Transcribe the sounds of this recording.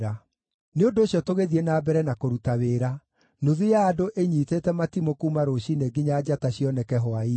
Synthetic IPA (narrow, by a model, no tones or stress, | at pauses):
ɾa | neondoːɕjɔtoɣeðiɛnaːbɛɾɛnakoɾutaweːɾa | noðujaːdoʔeɲitetɛmatimokuːmaɾoɕineɡiɲaːd͡ʑataɕiɔnɛkɛɦɔai